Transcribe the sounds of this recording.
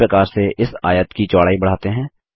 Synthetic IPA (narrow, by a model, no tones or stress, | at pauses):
ɾəkaːɾseʔɪsa̰ːjət̪kit͡ʃaːɽaːibɐɽ̤aːt̪eɦɛ̃ː